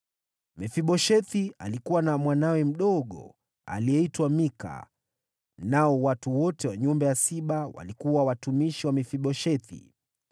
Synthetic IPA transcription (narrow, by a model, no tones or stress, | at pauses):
mɛfiɓɔʃɛθialikuwanamwanawɛm̩ɗɔɠɔ̰ | a̰liɛitwamika̰ | naɔwatuwɔtɛwaɲɔmbɛjasiɓawa̰likuwawatumiʃiwamifiɓɔʃɛθḭ